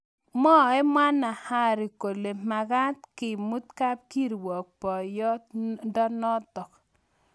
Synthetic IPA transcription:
mɔ˦ɛ˦mwa˦na˨ha˦ɾi˨ko˨le˨ma˨ɡa˦t̪kɪ˨mu˦t̪ka˦p̚ki˦ɾwɔ˨k̚pɔ˨jɔ˦tdɔ˦nɔ˦tɔ˨k

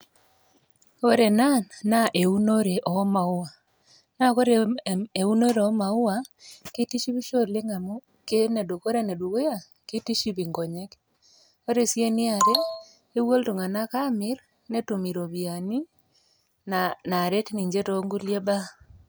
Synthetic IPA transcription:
o˦ɾe˨na˦nːa˦ʔe˨u˦no˦ɾe˨ʔɔ˨˦ma˨ʊ˦wa˨ | na˦ko˦ɾee˨u˦no˦ɾe˨ɔ˦ma˨ʊ˦wa˨ki˦ti˦ʃi˦βi˦ʃo˦˨le˦ŋa˨mo˦ | ke˦ne˨do˨ko˦ɾe˦ne˨du˨ɣo˦ja˨ | ki˦ti˦ʃi˦βi˨ŋɡo˨ɲe˦k | o˦ɾe˨sje˦nɪ˦a˨ɾeː˦ | wo˦ltu˨ŋa˨na˦ka˦mɪ˦ɾ | ne˦to˨mi˨ɾo˨βi˨a˨ni˦ | nana˨ɾe˦tni˨ɲd͡ʒe˦to˦ŋɡu˦lje˦ba˦

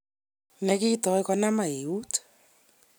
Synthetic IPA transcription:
nɛ˨ki˦tɔ˨e˦kɔ˦na˦ma˨e˨u˦t

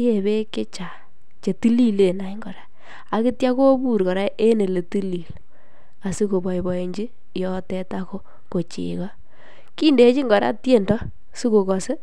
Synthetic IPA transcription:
e˨be˦ke˦t͡ʃa˨ | t͡ʃe˨ti˦li˦le˨na˨i˦ŋɡɔ˨ɾa˦ | a˨kɪ˦tja˦ko˦bu˦˨ɾkɔ˨ɾa˦ʔe˦ne˨le˨ti˦li˨l | a˨su˦ko˨bɔ˨i˨bɔ˨e˨ɲd͡ʒi˦ | jɔ˦tɛ˦ta˦ko˦ | ko˨t͡ʃɪ̰˨kɔ˦ | ki˦nde˦t͡ʃi˦ŋɡɔ˨ɾa̰˦tje˦˨ndɔ˦ | su˦ko˨kɔ˨se˦

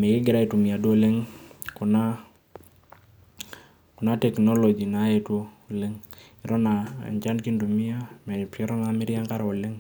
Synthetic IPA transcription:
mɛ˨kɪ˦ɡɪ˨ɾa˦i˨tu˨mɪ˨a˨dwo˦le˦ŋkʊ˨na˦ | kʊ˨na˦tɛ˨knɔ˦lɔ˨d͡ʒi˨na˨˦ɛ˦two˦lɪ˦ŋɪ˨ɾɔ˦na̰˨ɲt͡ʃa˦nki˦ndu˨mɪ˦a˦mɛpɛ˦ɾɔ˦na˨mɪ˦ɾja˦ŋka˦ɾo˨lɪ˦ŋ

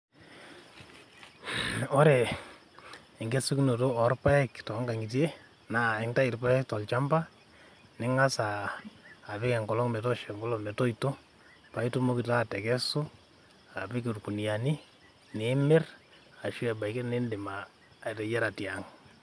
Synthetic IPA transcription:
o˦ɾe˨ | ɪ˨ŋɡe˦su˦kno˨to˦ɔ˨rpa˦ɛ˦ktɔ˨˦ŋɡa˨ŋɡɪ˨t̬e˦ | na˨ɪ˨˦ŋta˦i˨ɾpa˦ɛ˦ktɔ˨lt͡ʃa˦mba˦ | nɪ˦ŋa˦saː˨ | βɪ˦kɛ˨ŋɡɔ˨lɔ˦ŋmɛ˨tɔ˦ʃɛ˨ŋɡɔ˦lɔ˨me˨to˦ito˦ | pa˨i˦to˦mo˦kɪ˨ta˦tɛ˨kɛ˦su˦ | a˨bɪ˦k̬i˨rku˨ni˨a˨ni˦ | ne˨˦mɪ˦r | a˨ʃu˦ɛ˨ba˨i˨ke˦ne˦nde˨ma˨ | te˨jɛ˦ɾa˨tja˨ŋ

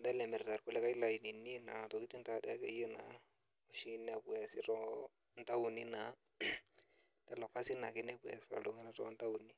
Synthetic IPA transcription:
da˦le˨me˨ɾta˨ɾku˦le˦ka˦la˨ji˨ni˨nːi˦na̰˨na˨to˨ki˦ti˦nta˦˨da˦kḛ˦ji˦na˨ | o˨ʃi˦ne˦bu˨ja˨si˦ɾo˦ | nta˦wu˨ni˦na˨ | d̥a˨lo˨kːa˦si˦na˨ki˦ne˦bu˨ja̰˨sa̰˨lu˨ŋi˦na˦to˦nta˦wu˨ni˦

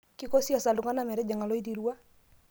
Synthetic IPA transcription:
kɪ˦kɔ˦sja˨sa˨ldʊ˨ŋa˦na˦mɛ˨ɾɛ˦d͡ʒa˨ŋa˨lɔ˦i˦t̬i˨ɾwa˦

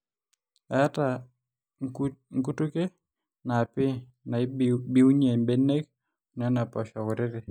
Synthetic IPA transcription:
ɛ˦ta˨ | ŋku˦tu˦ke˦ | na˨pɪ˦ | na˨˦bi˦wu˦ɲe˨mbe˦ne˦k̚ | n˨ɛ˦na˨pɔ˨ʃɔ˨wʊ˨ɾɪ˦ɾɪ˨

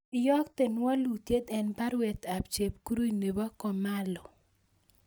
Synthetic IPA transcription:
ɪjɔ˦kt̪e˨nwa˦lu˨t̪je˦d̪ɛ˨npa˦ɾwɛ˨t̪a˨pt͡ʃe˨p̚ku˦ɾu˦i˨ne˨ba˦kɔ˨ma˦lɔ˨

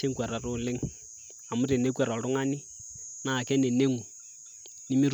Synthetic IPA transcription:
e˦ŋkwa˨ɾa˨rʊ˦˨le˦ŋ | a˨mʊ˦ɾe˨ne˦kwa˨ɾa˨lʊ˦ŋa˦ni˦ | na˨kɛ˦nɛ˨ne˦ŋu˨ | ni˦mi˦ɾ

